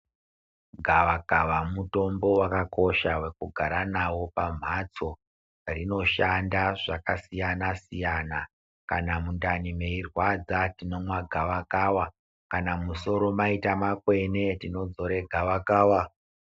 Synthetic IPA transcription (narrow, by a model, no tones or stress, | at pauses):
ɡʱaʋakaʋamuto̞mbo̞wakako̞ʃawe̞kuɡʱaɾanawo̞pam̤at͡so̞ | rino̞ʃandaʐakasijanasijana | kanamundanime̞irwad͡zatino̞mwaɡʱaʋakaːwa | kanamuso̞ɾo̞maitamakwe̞ne̞tino̞d͡zo̞ɾe̞ɡʱaʋakaːwa